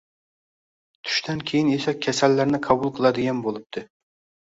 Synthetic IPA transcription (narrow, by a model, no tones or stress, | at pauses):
t̪ʰʊ̥ʃt̪ʰɛnkʲʰejɪnesɛkʲʰːɛsælːæɾnɪqʰɑbʊlˠqʰəlˠɑd̪ɪɡʲɛnbolˠɨp̚t̪ʰɨ